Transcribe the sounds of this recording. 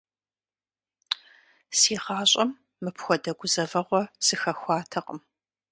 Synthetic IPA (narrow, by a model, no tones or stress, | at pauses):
siːʁɑːɕʼɐmː | ɨpʰxʷɔdɐɡʷʊzɐvɐʁʷɔsɨxɐxʷɑːtʰɐqʼəm